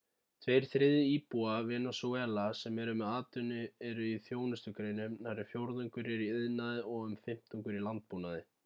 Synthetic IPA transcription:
t̪ʰvejɾ̥θɾɪðɪiːpuavɛːnasuɛːlasɛmɛɾʏmɛðaːt̪ʏnʏɛɾʏiθjoːwnʏst̪ʏkɾeːjnʏmnaɾɪfjowɾðʏŋkʏɾɛɾiɪðnaðɪɔɣʏmfɪm̥t̪ʏŋkʏɾilant̪̚puːnaðɪ

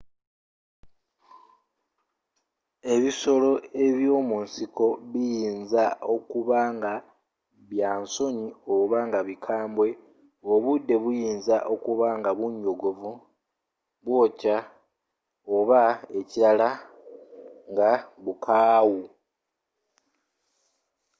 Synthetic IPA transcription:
e̞βiso̞lo̞e̞βjo̞ːmunsiko̞βijiːnzao̞kuβaːŋɡa | βjaːnso̞ɲio̞βaŋɡaβikʰaːmbwe̞ | oβudːe̞βujiːnzaʔo̞kuβaŋɡaβuɲːo̞ɡo̞vu | βwo̞ːca | o̞βae̞ciɾala | ŋɡaβukʰaːwu

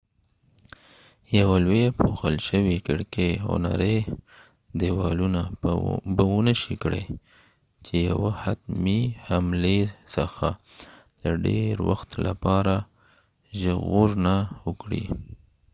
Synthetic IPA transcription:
jawalwepoxəlʃəwikɪɽkehʊ̰na̰ɾe | d̪ewɑlunabəwənəʃikɽḛ | t͡ʃeja̰wahat̪mihamlesəxa | d̪̥əɖḛɾwa̰xt̪lʔapɑɾa | ʒəɣuɾnawəkɽḭ

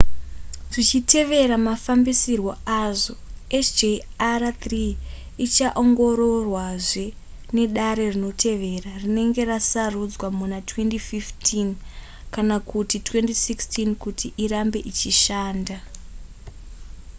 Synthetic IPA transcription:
ʐit͡ʃitʰe̞ʋe̞ɾamafambisirwo̞aʐo̞et͡ʃd͡ʒe | arat̪riː | t͡ʃaʔoŋɡo̞ɾo̞rwaʐe̞ | ne̞ɗaɾe̞rino̞tʰe̞ʋe̞rarine̞ŋɡe̞rasarud͡zwamunatwe̞ndififtʰin | kanakutitwe̞ndisikstinkutʰiʔiɾambe̞ʔit͡ʃiʃaːnda

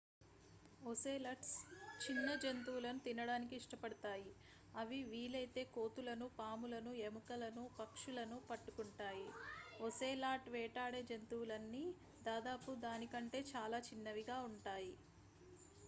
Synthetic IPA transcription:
oseːlɐʈst͡ʃinːɐd͡ʒent̪uwulɐnut̪inɐɽaːnikiːʂʈɐpɐɽut̪aːji | ɐʋiʋiːlɐjt̪e̞ːko̞ːt̪ulɐnupaːmulɐnuemukɐlɐnupɐkʂulɐnupɐʈːukuɳʈaːjiɔseːlaːʈʋɛːʈaːɽed͡ʒent̪uwulɐnːi | d̪aːd̪aːpud̪aːnikɐɳʈe̞ːt͡ʃaːlaːt͡ʃinːɐʋiɡaːuɳʈaːji

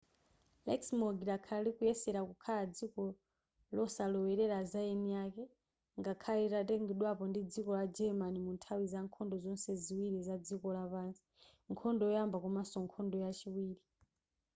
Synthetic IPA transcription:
lɛksmɔɡiɾakʰalikujɛsɛɾakukʰalad͡zikɔ | lɔsalɔwɛɾɛɾazajɛnijakɛ | ŋɡakʰalitatɛŋɡɛɗwapɔndid͡zikɔlad͡ʒɛmanimuntʰawizaŋkʰɔndɔzɔnsɛziwiɾizad͡zikɔlapaːnsi̥ | ŋkʰɔndɔɔjambakumasɔŋkʰɔndɔjat͡ʃiwiːɾi

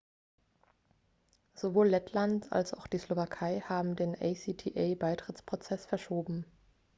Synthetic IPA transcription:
z̥ovoːlːɛtʰlanta̰lsa̰ʊxd̥iːslovakʰaɪhaːbm̩deːnʔɛɪsiːtʰiːʔaɪbaɪtʁ̥ɪt͡spʁ̥ot͡sɛsfɛɐʃoːbm̩

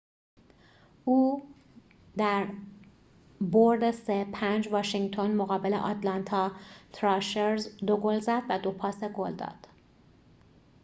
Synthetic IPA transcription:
ʔuː | d̪æɾ | boɾd̪esepʰænd͡ʒvɒːʃiŋɡt̪ʰo̞nmoɣɒːbelḛʔɒːt̪lɒnt̪ʰɒːt̪ʰɾɒːʃeɾzd̪oɡolzæd̪væd̪o̞pʰɒːseɡold̪ɒ̰ːd̪̥

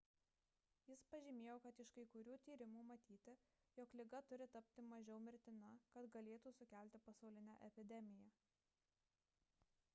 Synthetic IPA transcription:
jɪspɐʒʲɪmʲeːjoːkɐt̪ɪʃkɐɪkʊɾʲuːt̪ʲiːɾʲɪmuːmɐt̪ʲiːt̪ʲɪ | jɔklʲɪɡɐt̪ʊɾʲɪt̪ɐpʲt̪ʲɪmɐʒʲɛʊmʲɪɾʲt̪ʲɪnɐkɐt̪ɡɐlʲeːt̪uːsʊkʲæˑlʲt̪ʲɪpɐsɐʊlʲɪnʲæʔɛpʲɪd̪ʲɛmʲɪjæː

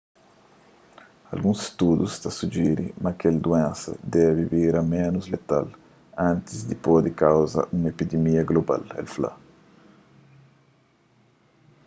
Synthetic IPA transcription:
ɐ̰lɡũse̥st̪ud̪ust̪asud͡ʒiɾimɐkeld̪uɛ̃nsɐ̰d̪ɛviviɾɐmẽnuzlet̪a̰l | ãnt̪izd̪ipod̪ɪkawzɐ̰ʔũŋepid̪emiɐɡloba̰lɛ̰lfla̰

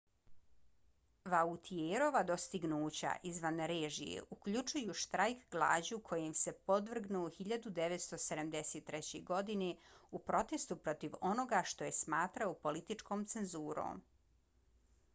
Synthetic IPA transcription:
ʋaut̪ʰieɾo̞ʋad̪o̞st̪iɡnuːt͡ɕa̰ʔizʋanɾeːʒḭjḛʔukʎut͡ʃujuʃt̪ɾajkɡlˠa̰ːd͡ʑukʰo̞jemse̞po̞d̪ʋr̩ɡnuxiʎad̪ud̪eʋet̪st̪o̞sed̪amd̪eset̪ːɾɛt͡ɕḛɡo̞d̪ineupɾo̞t̪e̞st̪upɾo̞t̪iʋo̞no̞ɡaʃt̪o̞je̞smaːt̪ɾaopo̞lit̪it͡ʂkomt̪se̞nzuːɾo̰ːm

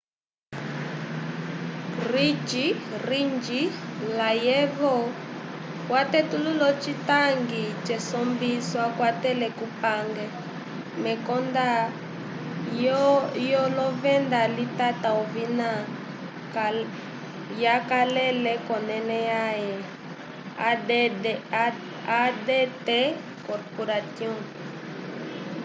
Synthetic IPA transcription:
rit͡ʃirind͡ʒilajɛvɔ | watɛtululɔt͡ʃitaŋɡit͡ʃɛsɔmbiswakwatɛlɛkupaŋɡɛ | mɛkɔnda | jɔlɔvɛndalitataɔvina | jakalɛlɛkɔnɛnɛjajɛ | adeɛtɛ | kɔɾpɔɾatiɔ̃

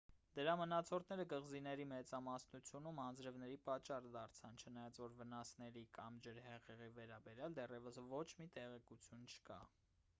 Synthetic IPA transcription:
d̪əɾɑmənɑt͡sʰɔɾt̪ʰnɛɾəɡəʁzinɛɾimɛt͡sɑmɑsnut͡sʰjunumɑnd͡zɾəvnɛɾipɑt͡ʃːɑrd̪ɑɾt͡sʰɑnt͡ʃʰənɑjɑt͡svɔɾvənɑsnɛɾikɑmd͡ʒəɾhɛʁɛʁivɛɾɑbɛɾjɑld̪ɛrɛvəsvɔt͡ʃʰmit̪ɛʁɛkut͡sʰjunt͡ʃʰə̥kɑ̰

